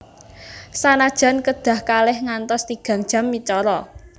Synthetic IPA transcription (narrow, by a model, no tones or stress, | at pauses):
sanad̥ʒ̥a̤nkəd̪̥ä̤hkalɪhŋant̪ɔst̪iɡ̥a̤ŋd̥ʒ̥a̤mːit͡ʃɔɾɔ